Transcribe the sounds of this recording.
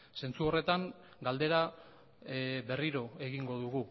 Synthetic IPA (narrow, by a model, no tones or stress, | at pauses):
se̞nt͡suo̞re̞t̪aŋ | ɡald̪e̞ɾa | βe̞riɾo̞e̞ɣiŋɡo̞ðuɣu